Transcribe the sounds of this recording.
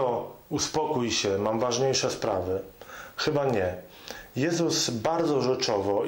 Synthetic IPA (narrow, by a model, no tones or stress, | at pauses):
ɔuspɔkujɕɛmamvaʐɲejʂɛspɾavɘxɘbaɲɛ | jɛzusbaɾd̪zɔʐɛt͡ʂɔvɔ